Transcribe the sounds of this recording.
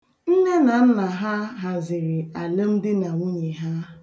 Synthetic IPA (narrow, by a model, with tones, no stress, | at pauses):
n̩˦ne˦na˨n̩˦na˨ɦa˦ɦa˨zɪ˨ɾɪ˨a˨le˦m̩˦dɪ˦na˨ŋʷu˦ɲe˨ɦa˦